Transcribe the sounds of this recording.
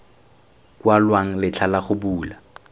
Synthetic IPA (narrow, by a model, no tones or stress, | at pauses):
kwalwaŋ̩lɪt͡ɬʰalaχʊbuːla